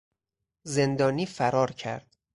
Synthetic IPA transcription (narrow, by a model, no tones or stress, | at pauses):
ze̞nd̪ɒːniːfæɾɒːɾcʰæ̰ɾd̪̥